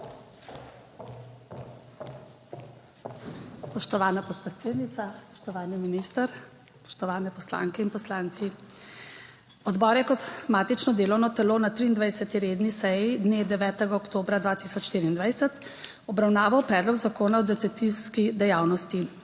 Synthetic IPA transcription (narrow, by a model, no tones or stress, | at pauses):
spɔʃt̪ɔʋaːnapɔt̪̚pɾɛt̪seːd̪nit̪saspɔ̥ʃt̪ɔʋaːniminist̪əɾ | spɔ̥ʃt̪ɔʋaːnɛpɔsla̰ːŋkɛinpɔslaːnt̪si | ɔd̪bɔːɾjɛkɔt̪maːt̪it͡ʃnɔd̪eːlɔwnɔt̪ɛloːnat̪ɾiːnd̪ʋajsɛt̪iɾeːd̪nisɛjid̪ned̪ɛʋɛːt̪ɛɡaɔkt̪oːbɾad̪ʋaːt̪isɔt͡ʃʃt̪iːɾiːnd̪ʋajsɛt̪ | ɔbɾawnaːʋawpɾɛːd̪lɔɡzakoːnaɔd̪ɛt̪at̪iwskid̪ɛjaːwnɔst̪i